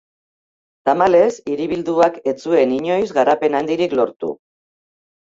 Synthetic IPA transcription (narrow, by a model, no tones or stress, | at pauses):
t̪amale̞siɾiβ̞ild̪uake̞t͡sue̞niɲo̞jzɣaɾape̞nand̪iɾiklo̞ɾt̪ṵ